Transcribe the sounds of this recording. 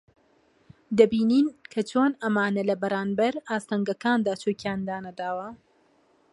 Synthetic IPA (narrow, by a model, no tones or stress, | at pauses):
d̪ɐbiːniːnkʰɐt͡ʃʰoːnɐmaːnɐlɐbɐɾaːnbɐɾaːst̪ɐŋɡɐkaːnd̪aːt͡ʃʰoːkjaːnd̪aːnɐd̪aːwɐ